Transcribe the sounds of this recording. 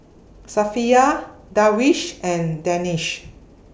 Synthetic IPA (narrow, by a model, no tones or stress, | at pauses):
safiadawiʃʔɛ̃ndɛ̃niʃ